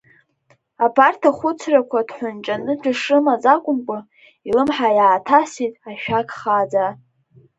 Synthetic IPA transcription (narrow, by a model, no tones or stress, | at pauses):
apʰartʰaχʷʊt͡sʰrakʷʰadħʷʊnt͡ʃʼanɨd͡ʒʷaʂɨmazakʷʼʊmkʷʼʊ | ilɨmħajaːtʰasitʼaʃᶣakʰʼχad͡za